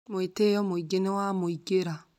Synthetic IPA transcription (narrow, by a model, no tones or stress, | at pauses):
mwetejɔmoiɡenewamoiɡeɾa